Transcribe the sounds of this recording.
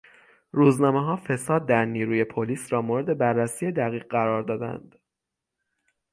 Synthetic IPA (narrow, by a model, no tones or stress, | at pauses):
ɾuːznɒːmeɦɒːfe̞sɒːd̪̚ːæɾniːɾuːje̞pʰoliːsɾɒːmoɾed̪e̞bærːæsijed̪æɣiːʁɢæɾɒːɾd̪ɒːd̪æ̰nd̪̥